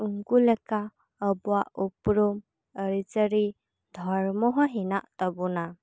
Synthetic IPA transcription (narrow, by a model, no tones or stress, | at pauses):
uŋkuleka | əbuaʔupɾum | əɾit͡ʃəɾi | d̪ʱɔɾmɔɦɔɦinaʔt̪əbuna